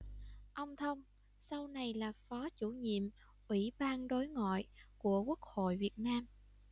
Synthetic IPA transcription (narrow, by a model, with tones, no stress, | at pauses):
ʔə˧wŋ͡mt̪ʰə˧wŋ͡m | sa˧wna˨˩jlaː˨˩fɔ˨˦t͡ɕu˧˩ɲḭ˧˨əm | ʔwi˧˩ɓaː˧nɗo˨˦jŋɔ̰˧˨jku˧˩əku˦˥ək̚ho̰˧˨jvi˨˩ət̚naː˧m